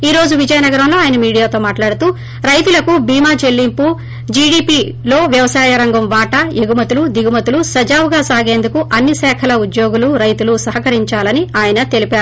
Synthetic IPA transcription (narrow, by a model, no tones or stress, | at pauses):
iːɾo̞ːd͡ʒuʋid͡ʒɐjɐnɐɡɐɾɐmlo̞ːaːjɐnɐmiːɽijaːt̪o̞ːmaːʈlaːɽut̪uː | ɾɐjt̪ulɐkubiːmaːd͡ʒe̞lːimpu | d͡ʒiːɽiːpiː | lo̞ːʋjɐʋɐsaːjɐɾɐŋɡɐmʋaːʈɐeɡumɐt̪ulud̪iɡumɐt̪ulusɐd͡ʒaːʋuɡaːsaːɡe̞ːnd̪ukuʔɐnːisɛːkʰɐlɐud̪jo̞ːɡuluɾɐjt̪ulusɐɦɐkɐɾiɲt͡ʃaːlɐniaːjɐnɐt̪e̞lipaːɾu